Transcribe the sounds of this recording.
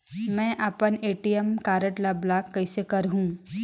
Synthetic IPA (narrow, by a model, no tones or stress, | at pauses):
mɛ̃ʔapəneːʈijəmkaːɾəʈlablaːkːɐɪsekɐɾɦũː